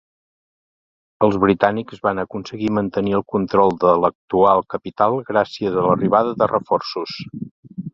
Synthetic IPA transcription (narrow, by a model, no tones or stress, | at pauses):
əlˠzβɾit̪anikzβanəkunsəɣimənt̪əniəlˠkunt̪ɾɔlˠd̪ələk̚t̪ualˠkəpit̪alˠɣɾasiəzələriβ̞aðəðərəfɔrsus